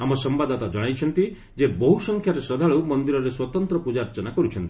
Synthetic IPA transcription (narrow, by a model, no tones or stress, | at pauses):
amɔsɔmbad̪ɔt̪ad͡ʒɔɽ̃ajt͡ʃʰɔnt̪i | d͡ʒebɔɦusɔŋkʰjaɾesɾɔd̪ʱaɭumɔnd̪iɾɔɾeswɔt̪ɔnt̪ɾɔpud͡ʒaɾt͡ʃɔnakɔɾut͡ʃʰɔnt̪ii